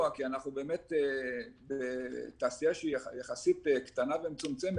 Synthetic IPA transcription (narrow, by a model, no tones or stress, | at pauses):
akianaχnubeːmet̪ebet̪aːsijaʃeijaχasit̪ekt̪anavemt͡sumt͡sem